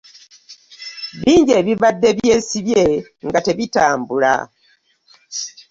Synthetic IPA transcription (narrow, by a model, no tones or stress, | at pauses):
βiːɲɟeːβiβadːe̞βje̞ːsiβje̞ŋɡate̞βitaːmbula̰